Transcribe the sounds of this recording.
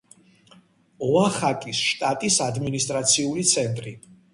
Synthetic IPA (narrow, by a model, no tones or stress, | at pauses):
ɔaχakʼisʃt̪ʼat̪ʼisad̪minist̪ʼɾat̪sʰiulit̪sʰɛnt̪ʼɾi